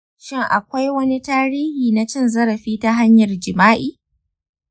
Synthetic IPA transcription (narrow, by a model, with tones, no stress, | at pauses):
ʃɪ˦ŋʔa̰˨kʷa˦jwɐ˦ni˦taː˦ɾiː˦hiː˨na˦t͡ʃɪ˦nzɐ˦ɾɐ˨ɸiː˦ta˦ɦa˦ɲjɐ˨rd͡ʒɪ˨maː˦ʔiː˨